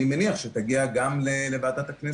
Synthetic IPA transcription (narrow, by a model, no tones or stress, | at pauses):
imeniaχʃet̪aɡiaɡamlelevaːt̪at̪akne